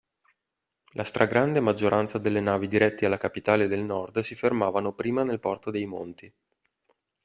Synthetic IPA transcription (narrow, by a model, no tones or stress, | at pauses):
lʔast̪ɾʔaɡɾand̪emad͡ʒːoɾʔant̪sad̪elːenaːvid̪iɾɛt̪ːialːakapit̪aːled̪elnɔrd̪sifermaːvanopɾiːmanelpɔrt̪od̪ejmo̰nt̪i